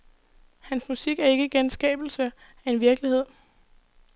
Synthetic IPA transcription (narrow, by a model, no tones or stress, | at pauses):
hænsmusiɡ̥æɐe̝ɡ̥əɡ̥ensɡ̥ɛ̰ːb̥l̩sə | æe̝nʋiɐɡ̥lihe̝ð̰ˠ